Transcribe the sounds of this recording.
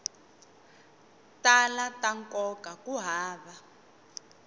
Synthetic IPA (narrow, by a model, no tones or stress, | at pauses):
talataŋkɔkakuɦaːβa